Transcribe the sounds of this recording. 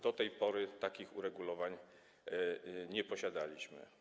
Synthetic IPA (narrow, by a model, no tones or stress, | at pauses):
d̪ɔt̪ɛjpɔɾɘt̪akʲixuɾɛɡulɔvaɲ | ɲɛpɔɕad̪alʲiɕmɘ̰